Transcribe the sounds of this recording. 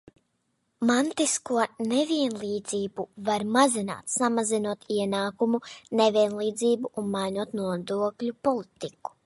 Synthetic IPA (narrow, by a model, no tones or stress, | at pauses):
mant̪iskuɔneviɛnlˠiːd̪ziːbuvaɾmazina̰ːt̪samazinuɔt̪iɛnaːkumuneviɛnlˠiːd̪ziːbuʔunmajnuɔt̪nuɔd̪uɔklʲupɔlˠit̪iku̥